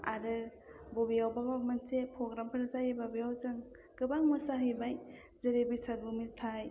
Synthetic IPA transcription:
a̰ɾɯ | bobijawbaɡak̚mɯnsepʰɔɡɾampʰɯɾzajebabijawzɯŋ | ɡɯbaŋmɯsaɦɯjbaj | zəɾebisaɡumitʰaj

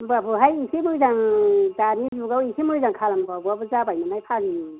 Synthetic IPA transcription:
bapʰɯɦajisimɯjzaŋdanizuɡawisʰimɯjzaŋkʰalamkaɡuabɯzabajmanajpʰaŋni

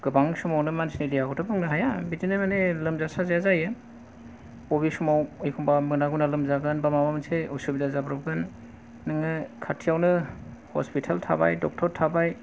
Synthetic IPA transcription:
ɡ̥ɯbaŋsumawnɯmansnidijaɡɔtʰɯbɯŋnɯɦajabitinɯmanelɯmzasazajazajɯn | pɔβisumawɯjkʰɔmbamɯnaɡunalɯmzaɡɯnbamamamɯnseɔsubidazabɾɔb̚ɡɯnː | ɯŋɯkʰatʰijawnɯhɔ̰spitʰaltʰa̰ba̰jdɔk̚tʰɔɾtʰabaj

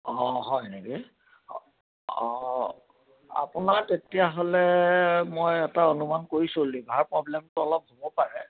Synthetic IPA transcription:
ɔ̃ɦɔjneki | ɔ | a̰pʊnatetijaɦolɛmojɛtaonumankoɹisolibʱaɹpɹɔblɛmtʊɔlɔp̚ɦobɔpaɹɛ

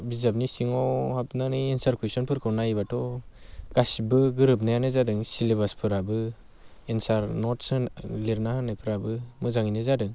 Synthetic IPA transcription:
bizap̬̚nisiŋɔwhap̚nanɯjensaɾkʰusɔnpʰɯɾkʰɯɾnajbatɔɡ̥asibɯɡɯɾɯp̬̚najanɯzadɯŋsiliβaspʰɯɾabɯ | ensaɾnɔtsɯnliɾnahanɯjpʰɯɾabɯmɯzaŋinɯzadɯŋ

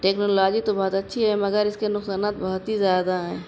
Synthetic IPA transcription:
ʈeːknoːlaːd͡ʒit̪obɔːt̪ɐtːʃʰiɦɛmɐɡəɾɪskenʊksaːnaːt̪bɐɦʊt̪ɦizjaːd̪aɦɛ̃ː

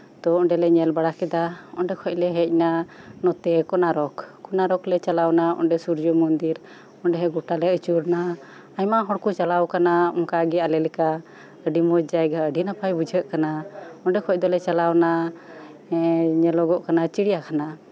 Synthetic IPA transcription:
t̪ɔɔɳɖɛlɛɲɛlbaɽakɛd̪aɔ̰nɖɛkʰɔc̚lɛɦɛc̚nanɔt̪ɛkɔnaɾɔkːɔnaɾɔklɛt͡ʃalawnaɔ̰nɖɛsuɾd͡ʒɔmɔnd̪iɾ | ɔnɖɛɦɛɡɔʈalɛʔət͡ʃuɾna | aɲmaɦɔɽkut͡ʃalawkanaɔ̰ŋkaɡɛalɛlɛka | əɖimɔd͡ʒajɡaəɖinapʰajbud͡ʒʱəʔkanaɔɳɖɛkʰɔc̚d̪ɔlɛt͡ʃalawna | ɲɛlɔɡɔʔkanat͡ʃiɽijakana

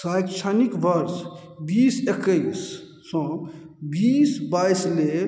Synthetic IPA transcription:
sajkt͡ʃʰanikbəɾs | biːsekəisː | ɔ̃ | biːsbajsle

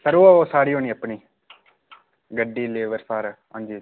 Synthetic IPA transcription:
pəɾoːosaːɽiːɦoːniːəpɳiː | ɡəɖːiːleːʋəɾsaːɾaːɦã̰ːnd͡ʒiː

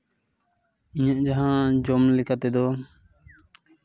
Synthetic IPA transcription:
iɲaʔd͡ʒaɦãd͡ʒɔmlɛkʰat̪ɛd̪ɔ

